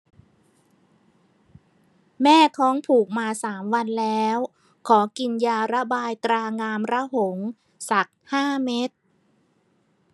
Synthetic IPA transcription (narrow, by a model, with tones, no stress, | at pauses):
mɛː˥˩t̪ʰɔː˦˥ŋpʰuː˨˩k̚maː˧saː˩˦mwa˧nlɛː˦˥w | kʰɔː˩˦ki˧njaː˧ɾa˦˥baː˧jt̪ɾaː˧ŋaː˧mɾa˦˥ho˩˦ŋ | sa˨˩k̚haː˥˩me˦˥t̪̚